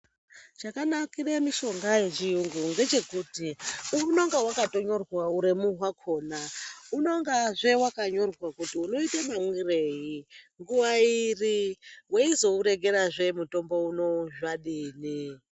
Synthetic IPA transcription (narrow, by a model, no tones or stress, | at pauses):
t͡ʃakanakiremiʃo̞ŋɡajeʐiuŋɡuŋɡe̞d͡ʒe̞kutiuno̞ŋɡawakato̞ɲo̞rwauɾemuɦwakʰo̞ːnauno̞ŋɡaʐe̞wakaɲo̞rwakutiuno̞itamamwirejiŋɡuwairiweizo̞uɾe̞ɡe̞ɾaʐe̞muto̞mbo̞uno̞ʒaɗiːni